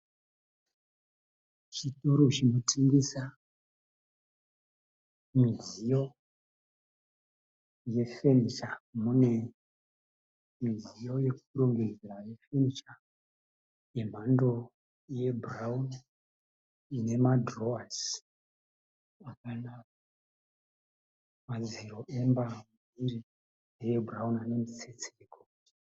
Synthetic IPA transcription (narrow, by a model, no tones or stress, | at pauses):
t͡ʃito̞ɾot͡ʃinotʰiŋɡesa | mizijo̞ | je̞feniʃamune̞ | mizijo̞je̞k̚uɾoŋɡe̞d͡zeɾaje̞fe̞nit͡ʃa | je̞m̤ando̞ | je̞brauna | ine̞madroas | akana | maziɾo̞ʔembamu | iɾi | ejeburaunane̞mit͡set͡siko | i̥